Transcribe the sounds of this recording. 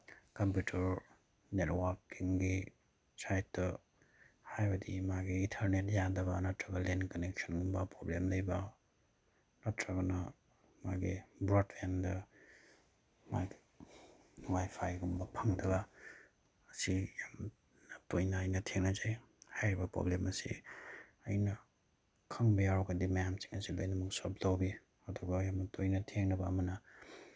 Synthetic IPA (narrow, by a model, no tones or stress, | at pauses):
kɐmpjutʰɐɾ | netwaɾkiŋɡi | sajtːɐ | hajbɐdḭmaɡiintʰɐɾnet̚jadɐbɐnɐtɾɐɡɐlenkɐnek̚sɔnɡumbɐpɾoblemlɐjbɐ | nɐtɾɐɡɐnɐ | maɡibɾotfendɐ | maɡi̥ | nŋajpʰajɡumbɐpʰaŋdʰɐɡaː | sijam | ntojnɐːjnɐtʰeŋnɐzaj | hajɾibɐpɾo̰blemɐsḭ | ɐjnɐ | kʰaŋbijaɾɔɡadimajamsi̥ŋɐsilajnɐmuksop̚dawbi | ɐdɔɡajamnɐtʰojnɐtʰeŋnɐbɐːmɐnɐ